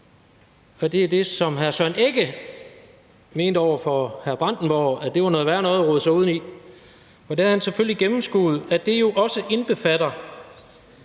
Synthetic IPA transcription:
ɒ̽d̥e̝æd̥e̝sɒ̽mɦæɐsœne̝ɡ̥ə | me̝ːnd̥əɒʊ̰ɐfɒhæɐb̥ʁɑ̈n̰d̥n̩b̥ɒʊæd̥e̝ʋɑ̈nɔ̽ːð̩ˠʋæɐnɔ̽ːðˠɐʁɔð̩ˠsɑuðˠni | ɒ̽d̥ehæhænseføl̰liɡ̥emm̩sɡ̥ṵːð̩ˠæd̥e̝jo̝ʔɒ̽səʔe̝nb̥e̝fædɐ

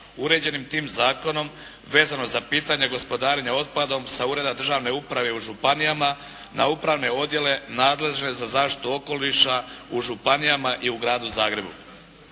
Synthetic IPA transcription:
uɾe̞d͡ʑe̞nimt̪iːmzaːko̞no̞m | ʋe̞ːzano̞zapiːt̪aɲe̞ɡo̞spo̞d̪aːɾeɲeo̞t̪̚pad̪o̞msauɾe̞d̪ad̪r̩ʒaːʋne̞upɾaʋe̞uʒupanijama | nʔa̰upɾaʋne̞o̞d̪je̞le̞naːd̪le̞ʒne̞zazaːʃt̪i̥t̪uo̞ko̞liʃauʒupanijamaʔiuɡɾaːd̪uzaːɡɾe̞bṵ

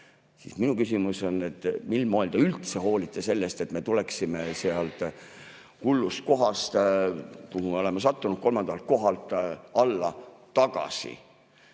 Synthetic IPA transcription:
sḭsminukysimuso̞nːe̞t̪ːˑmilmoːld̪̥eylt̪se̞ɦo̞ːlit̪ːˑese̞lːest̪e̞t̪me̞t̪ule̞ksime̞seɑlt̪ | hulːust̪̚ko̞ɦɑst̪kuhume̞o̞le̞mɑsɑt̪ːunud̪̥̚ko̞lmɑnd̪̥ɑlt̪̚ko̞ɦɑlt̪ːˑɑlːɑt̪ːɑɡ̥ɑ̰sḭ

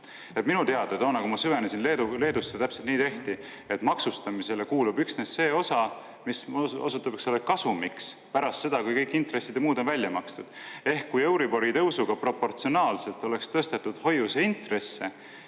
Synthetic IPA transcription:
et̪minut̪eɑd̪̥et̪o̞ːnɑkumɑsyve̞nesinle̞ːd̪ule̞ːd̪usːet̪æpselt̪niːt̪e̞ht̪i | e̞t̪ːmɑksust̪ɑmise̞le̞kuːlubyksnesːe̞ːo̞sɑ | miso̰sut̪ːˑɑb̥eksolːekɑsumikspæɾɑst̪se̞d̪̥ɑkujkɤjkːˑint̪re̞sːid̪emuːd̪onvælʲːjɑmɑkst̪ud̪̥e̞hkːujewɾibo̞ɾit̪ɤ̞wsuɡ̥ɑpro̞pːo̞rt̪sio̞nɑːlse̞lt̪ːˑo̞le̞kst̪ɤst̪et̪ːˑud̪̥ho̞juseint̪re̞sːe̞

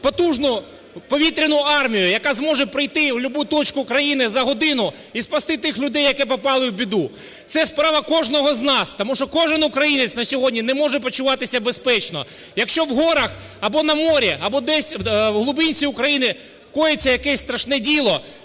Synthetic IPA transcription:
pɔt̪uʒnʊ | pɔʋʲit̪ɾʲɪnʊɑrmʲijʊjɐkɑzmɔʒɛpɾɪjt̪ɪwlʲʊbut̪ɔt͡ʃkʊkɾɐjinɪzɐɦɔd̪ɪnʊ | ispɐst̪ɪt̪ɪxlʲʊd̪ɛjːɐkɛpɔpɑlˠɪwbʲid̪u | t̪sɛspɾɑʋɐkɔʒnɔɦɔznɑst̪ɔmuʃt͡ʃɔkɔʒɪnʊkɾɐjinet̪sʲnɐsʲɔɦɔdʲnʲinɛmɔʒɛpɔt͡ʃʊʋɑt̪ɪsʲɐbespɛt͡ʃnɔ̰ | jɐkʃt͡ʃɔwɦɔɾɐx | ɐbɔnɐmɔɾʲiɐbɔd̪ɛsʲɦlˠʊbɪnʲt͡ssʲiʊkɾɐjinɪ | kɔjet͡sʲːɐjɐkɛsʲst̪ɾɐʃnɛdʲilˠɔ

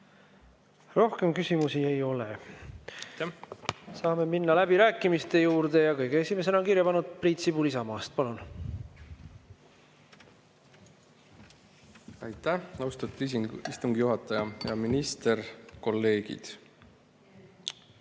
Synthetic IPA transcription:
ro̞hke̞mkysimusie̞jo̞le | sɑːme̞minːɑlæbiɾæːkːˑimist̪e̞juːɾd̪̥e̞jɑkɤjɡ̥eesime̞s̬e̞nɑonkiɾjɑpɑnud̪̥̚print̪sibulisɑmɑːst̪̚pɑlun | ɑjt̪æɑwst̪ɑt̪ːˑuist̪uŋɡijuɦɑt̪ːˑɑjɑjɑminist̪erko̞lːe̞ːɡḭd̪̥

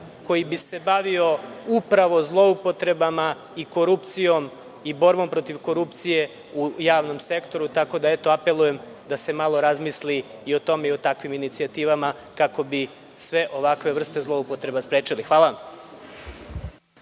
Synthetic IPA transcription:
ko̞jibise̞baʋio̞upɾaʋo̞zlˠo̞upo̞t̪ɾe̞bama | iko̞ɾupt̪sijo̞m | ibo̞ɾbo̞mpɾo̞t̪iʋko̞ɾupt̪sije̞ | ujaːʋno̞mse̞kt̪o̞ɾut̪ako̞d̪ae̞t̪o̞ape̞lˠuje̞m | d̪ase̞malo̞ɾazmisliːo̞t̪o̞meio̞t̪akʋiminit̪siat̪iːʋamakako̞bi | sʋe̞ʔo̞ʋakʋe̞ʋr̩st̪ezlˠo̞upo̞t̪ɾe̞baspɾeːt͡ʃilixʋaːlaʋam

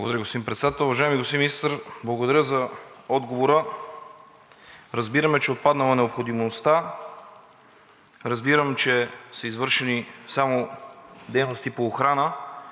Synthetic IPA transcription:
bˠɡo̰d̪ɐɾəɡosimpɾɛt̪sd̪at̪ɛlˠʊvɐʒaɛmiɡost̪iminist̪ɾblˠɐɡod̪ɐɾʲəzɐɔd̪ɡovoɾə | ɾɐzbiɾəmɛt͡ʃɛot̪̚pad̪nəlˠɐnɛopxod̪imost̪a | ɾɐzbiɾəmt͡ʃɛsəizvɤɾʃɛnisamod̪ɛjnost̪ipoːxɾanə

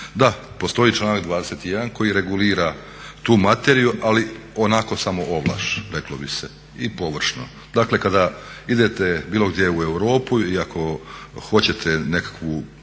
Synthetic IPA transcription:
d̪a | po̞st̪o̞it͡ʃlˠaːnakd̪ʋaːd̪e̞set̪ijed̪anko̞jiɾe̞ɡuliːɾa | t̪uːmat̪eɾijuʔali | onako̞samo̞ʔoʋlˠa̰ːʃɾe̞klobise | ipo̞ʋr̩ʃno̰ | d̪aːkle̞kad̪aid̪e̞t̪ebiːlo̞ɡd̪jeue̞wɾo̞ːpuiakʰo̞xo̞t͡ɕe̞t̪ʰene̞kḁkʋu

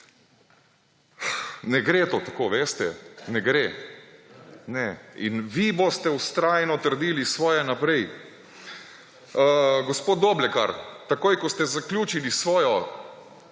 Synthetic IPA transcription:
nɛɡɾet̪oːt̪akoʋeːst̪ɛnɛɡɾe | nɛḭnʋibost̪ɛust̪ɾaːjnɔt̪əɾd̪iːlisʋɔːjɛnapɾɛj | əɡospoːt̪̚ːoblɛka̰ɾt̪akoːjkɔst̪ɛzaklʲjuːt͡ʃilisʋɔːjɔ

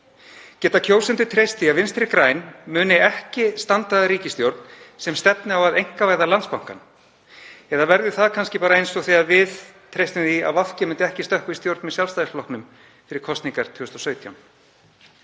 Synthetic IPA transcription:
cɛːt̪acʰowsɛnt̪ʏt̪ʰɾejst̪iavɪnst̪ɾɪkɾaːjnmʏːnɪɛhcɪst̪ant̪aðaɾiːcɪst̪jowɾt̪̚n̥sɛmst̪ɛpnɪawaðejŋ̥kavaːɣðalant̪spawŋ̥ka̰n | ɛðavɛɾðʏθaðkʰanscɪpaːɾaejnsoθiaðvɪðt̪ʰɾejst̪ɪmθia̰ðvafcɪmʏnt̪ɪɛhcɪst̪œhkist̪jowɾt̪nmɛðsjalst̪ajflɔknʏm | fɪɾɪɾ̥kʰɔst̪niŋkaɾ̥t̪ʰʏːʏst̪ɔsœːɥt̪ʰjawn

